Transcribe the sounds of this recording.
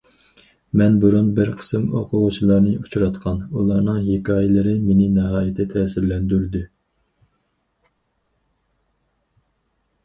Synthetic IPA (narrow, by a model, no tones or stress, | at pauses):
mɛnbuɾunbɪɾqʰə̥sɨmoqʰʊʁʊt͡ʃʰilˠɑɾnɨʔut͡ʃʰɾɑt̪qʰɑnulˠɑɾnɨŋɦekʲɑːjɪlˠɨɾɪmenɪnɛɦɑːjɪt̪ʰɛt̪ʰɛːsɪɾlɛnd̪yɾd̪ɪ